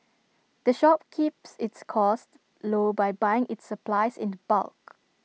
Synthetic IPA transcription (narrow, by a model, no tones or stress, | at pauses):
d̥əʃɔp̚kʰipsɪtskʰɔst | lobajbajɪ̃ŋʔɪtsəplaɪsɪ̰̃ndəba̰lk